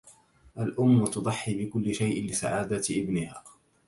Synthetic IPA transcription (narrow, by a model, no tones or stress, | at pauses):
ʔalʔʊmːʊt̪ʊd̪ˤɑħːibɪkʊlːɪʃajʔɪlɪsa̰ʕaːd̪aʔɪbnɪhaː